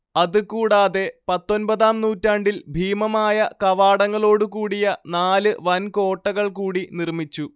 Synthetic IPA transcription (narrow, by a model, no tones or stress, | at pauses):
ɐðɨkuːɽaːðe̞pɐt̪ːo̞nbɐðaːmnuːtːaːɳɖilbʱiːmɐmaːjɐkɐʋaːɽɐŋːɐɭo̞ːɽukuːɽijɐnaːlɨʋɐnko̞ːʈːɐɣɐɭkuːɽinirmit͡ɕːu